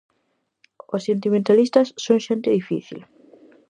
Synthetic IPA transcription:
osːent̪imẽnt̪alist̪asːõŋʃẽnt̪ɪðifḭθḭl

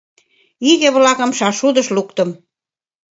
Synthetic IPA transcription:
iɣə̆βlɑkə̆mʃɑʃud̪əʃlukt̪əm

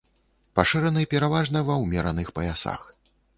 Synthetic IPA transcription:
paʂɨɾɐnɨpʲɛɾavaʐnɐvɐwmʲɛɾɐnɨxpɐjasa̰x

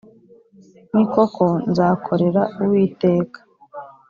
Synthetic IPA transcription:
niko̞kʰo̞nzaːkʰo̞ɾe̞ɾauwiːte̞ːkḁ

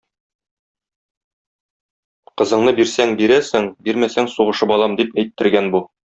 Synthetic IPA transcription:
qɤ̆zɤ̆ɴnɤbiɾsæŋbiɾæsɘŋbiɾmæsæŋsuʁɤ̆ʃɤpɒlˠɑmd̪ipæjt̪ːɘ̆ɾɡænbu

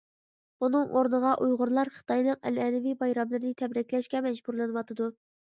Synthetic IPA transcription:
bunɨŋʔoɾnəʁɑʔujʁʊɾlˠɑɾχə̥t̪ʰɑjnɨq̚ɛ̰lɛːnɪvibɑjɾɑmlˠɨɾnɪt̪ʰɛbɾɛkʲlɛʃkʲɛmɛd͡ʒbuɾlˠɨnɨwɑt̪ʰɨd̪u

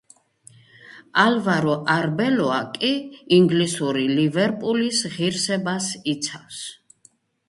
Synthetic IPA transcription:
alvaɾɔʔaɾbɛlɔakʼiːŋɡlisuɾilivɛɾpʼulisʁiɾsɛbasit̪sʰafs

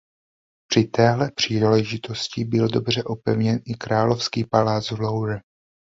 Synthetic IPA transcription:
pr̝̥ɪt̪ɛːɦlɛpr̝̥iːlɛʒɪt̪o̞scɪbɪldo̞br̝ɛʔopɛvɲɛnʔɪkɾaːlo̞fskiːpalaːd͡zvlowɾɛ

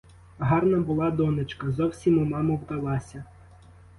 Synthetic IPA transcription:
ɦɑrnɐbʊlˠɑd̪ɔnet͡ʃkɐzɔwsʲimumɑmʊwd̪ɐlˠɑsʲɐ

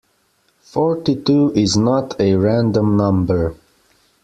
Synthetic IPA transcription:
fɔɹtituɪznətʰɨɹæ̃ndə̃mnʌ̃mbə˞

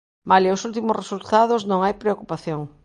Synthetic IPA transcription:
maleosult̪imʊsresult̪að̞oznõŋajpɾeokupaθjoŋ

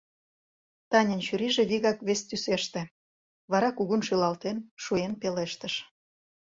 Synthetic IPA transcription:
t̪ɑnʲə̆nɕyɾiʒĕβiɣɑkβest̪yseʃt̪ĕ | βɑɾɑkuɣunʃylɑlt̪enʃuenpeleʃt̪əʃ

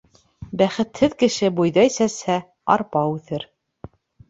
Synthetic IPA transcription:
bæχɘ̆t̪hɘðkɘ̆ʃɘbujðɑisæshæ | ɑ̰ɾpɑʉθɘɾ

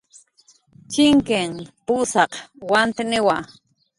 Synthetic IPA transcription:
t͡ʃɪŋkeŋpusɑqwant̪ɪnɪwa

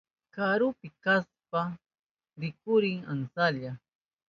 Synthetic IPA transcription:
kaɾʊpɪkaspa | ɾɪkʊɾɪŋansaʎa

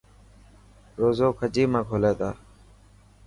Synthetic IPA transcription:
ɾoːzoːkʰəd͡ʒiːmãːkʰoːleːt̪aː

